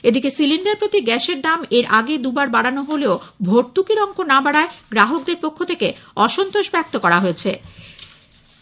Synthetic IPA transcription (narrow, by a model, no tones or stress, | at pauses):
ed̪ikesiliɳɖaɾpɾot̪iɡɛʃeɾd̪ameɾʔaɡed̪ubaɾbaɽanoɦoleobʱoɾ̚t̪ukiɾɔŋkonabaɽaeɡɾaɦok̚d̪eɾpokʰːot̪ʰekeɔʃont̪oʃbɛk̚t̪okɔɾaɦojet͡ɕʰe